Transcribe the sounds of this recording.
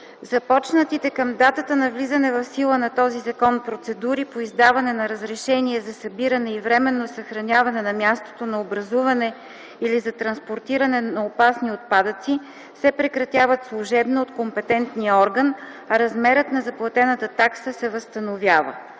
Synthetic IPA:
zɐpɔt͡ʃnət̪it̪ɛkəmd̪at̪ət̪ənɐvlizənɛvɐfsilˠənɐt̪ɔzizɐkɔnpɾot̪sɛd̪uɾipoizd̪avɐnɛnɐɾəzɾɛʃɛniɛzɐsɐbiɾənɛivɾɛmɛnːosəxɾɐnʲjavɐnɛnɐmʲjast̪o̥t̪onɐobɾɐzuvɐnɛ | ilizɐt̪ɾɐnspoɾt̪iɾɐnɛnɐopasniot̪̚pad̪ət̪si | sɛpɾɛkɾɐt̪ʲjavət̪slˠuʒɛbnoot̪kompɛt̪ɛnt̪nijəɔɾɡən | ɐɾɐzmɛɾət̪nɐzɐplˠɐt̪ɛnət̪ət̪aksəsɛvɐst̪ɐnovjavə̰

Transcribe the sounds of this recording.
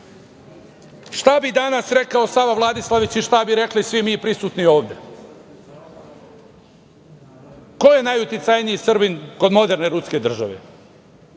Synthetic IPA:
ʃt̪abid̪anasɾekao̞saʋaʋlˠad̪islˠaʋit͡ɕiʃt̪abiɾeklisʋimiːpɾisuːt̪nio̞ːʋd̪e | ko̞jenajut̪it̪sajniisrbinko̞d̪mo̞d̪e̞ɾne̞ɾuske̞d̪r̩ʒaʋḛ

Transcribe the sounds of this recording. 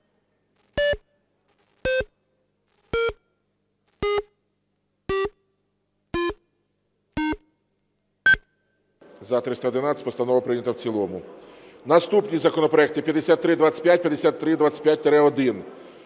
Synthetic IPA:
zɐt̪ɾɪst̪ɐɔd̪ɪnat̪ʲːɪ̥pɔst̪ɐnɔʋɐpɾɪnʲɐt̪ɐwt͡sʲilˠɔmʊ | nɐst̪upnʲizɐkɔnɔpɾɔɛk̚t̪ɪpʲjɐd̪esʲat̪ːɾɪd̪ʋat͡sʲə̥pjat̚ʲpʲjɐd̪esʲat̪ːɾɪd̪ʋat͡sʲsʲə̥pʲjat̚ʲt̪eɾɛɔd̪ɪn

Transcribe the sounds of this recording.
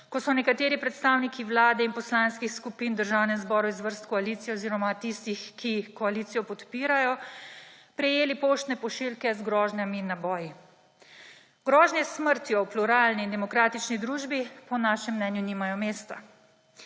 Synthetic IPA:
kɔsɔnɛkat̪eːɾipɾɛt̪st̪aːwnikiwlaːd̪ɛinpɔslaːnskixskupiːnd̪əɾʒawnɛnzbɔːɾuizʋəɾst̪kɔaliːt̪sijɛoziːɾɔmat̪ist̪ixkːikɔalit̪sijɔpɔt̪piːɾajɔ | pɾɛjeːlipoʃt̪nɛpɔʃilkɛzɡɾɔːʒnʲaminːabɔːji | ɡɾɔːʒnʲjɛsməɾt̪jɔwpluɾaːlniːnd̪ɛmɔkɾaːt̪it͡ʃnid̪ɾuːʒbipɔnaːʃɛmːnɛnjunimajɔmeːst̪a̰

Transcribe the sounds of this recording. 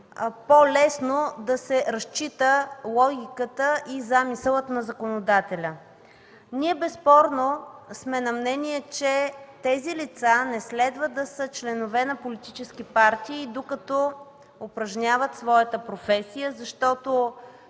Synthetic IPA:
polɛsnod̪ɐsɛɾɐst͡ʃit̪əlˠɔɡʲikət̪əʔizamisəlˠət̪nɐzɐkonod̪at̪ɛlʲə | niɛbɛspɔɾnosmɛnɐmnɛniɛt͡ʃɛt̪ɛzilit̪sanɛslɛd̪vəd̪ɐsət͡ʃlɛnovɛnɐpolit̪it͡ʃɛskipaɾt̪iːd̪okɐt̪ɔ | opɾɐʒnʲavət̪svɔjət̪əpɾofɛsijəzɐʃt̪ɔt̪o

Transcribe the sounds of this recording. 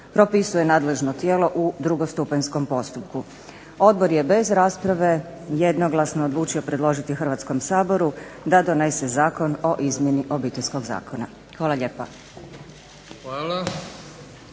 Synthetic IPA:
pɾopisuje̞naːd̪le̞ʒnot̪jeːlo̞ʔud̪ɾuɡo̞st̪upansko̞mpo̞st̪upku | o̞d̪̚boɾje̞be̞zɾaːspɾaʋe̞ | jed̪no̞ɡlˠasnoodlˠuːt͡ʃio̞pɾe̞d̪lˠo̞ʒit̪ixrʋat̪sko̞msaːbo̞ɾud̪ad̪o̞ne̞se̞zaːko̞no̞ʔizmje̞niʔo̞biːt̪elʲsko̞ɡza̰ːkʰona | xʋaːlˠaʎʲeːpa | ʋaːla

